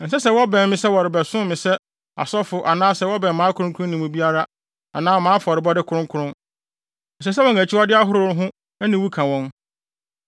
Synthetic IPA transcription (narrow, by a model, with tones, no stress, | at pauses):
n̩˨sɛ˦sɛ˦wɔ˦bɛ̃˨mɪ̃˦sɛ˦wɔ˨ɾɪ˨bɛ˨sʊ̃˦mɪ̃˨sɛ˦ | a̰˨sɔ˦fʊ˨ʔa˨nãː˦sɛ˦wɔ˦bɛ̃˨mmãː˨˦kʰʊ˨˦ʊ̃˦kʰʊ˦ʊ̃˦nĩ˨mʊ̃˨bi˦a˦ɾa˦ | a̰˨nãː˦mãː˦fɔ˨ɾɪ˨bɔ˦dɪ˦kʰʊ˦ɾʊ̃˦kʰʊ˦ɾʊ̃˦n | n̩˨s̬ɛ˦s̬ɛ˦wɔ˨ŋæ˨t͡ɕʰi˦ɔ˦dɪ˦a˦ɦʊ˦ɾʊ˦˨˦ɦʊ̃˦ | æ˦nĩ˨wu˦kʰã˨wɔ̃˦n